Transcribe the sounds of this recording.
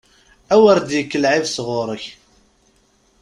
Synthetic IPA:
æwəɾd̪jəkːəlʕɪvsʁʊɾəç

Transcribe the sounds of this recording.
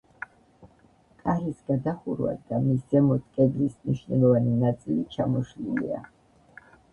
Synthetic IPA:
kʼaɾisɡad̪aχuɾva̰d̪amisz̥ɛmɔt̪ʰkʼɛd̪ɾismniʃnɛlˠɔvaninat̪sʼilit͡ʃʰamɔʃlilḭa̰

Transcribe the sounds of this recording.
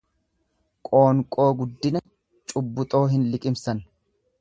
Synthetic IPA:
kʼo̞ːŋkʼo̞ːɡʊd̪ːɪnɐ | t͡ʃʼʊbːʊt̪ʼo̞ːɦɪnlɪkʼɪmsɐn

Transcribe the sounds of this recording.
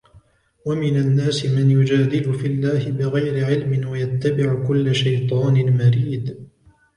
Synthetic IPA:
wamɪnanːaːsɪmanjʊd͡ʒaːd̪ɪlʊfɪlːaːhɪbɪɣajɾɪʕɪlmɪnwajat̪ːabɪʕkʊlːaʃajt̪ˤɑːnɪmaɾiːd̪

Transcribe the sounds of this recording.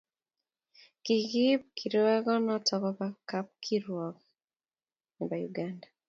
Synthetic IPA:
kiɣip̚kʰiɾwɛɣɔnɔtʰɔkɔbakap̚kʰiɾwɔɡɔ | nibajuɡanda

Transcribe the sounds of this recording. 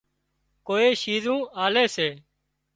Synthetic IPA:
koːeːʃiːzũːaːleːseː

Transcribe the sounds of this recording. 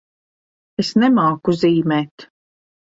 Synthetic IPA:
esnɛmaːkuziːmɛːt̪

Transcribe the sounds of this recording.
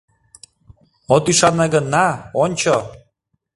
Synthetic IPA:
ot̪yʃɑnːeɡənːɑonʲt͡ɕo

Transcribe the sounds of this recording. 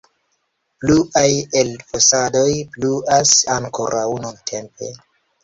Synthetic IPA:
pluʔaje̞lfosado̞jpluasaŋko̞̰ɾʔawnuntʰe̞mpe̞̰

